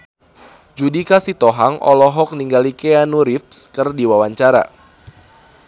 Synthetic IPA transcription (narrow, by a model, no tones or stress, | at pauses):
d͡ʒudikasit̪ɔɦaŋʔɔ̰lɔɦɔk̚niŋɡalikeanuɾif̚skɨrdiwawaɲt͡ʃaɾa̰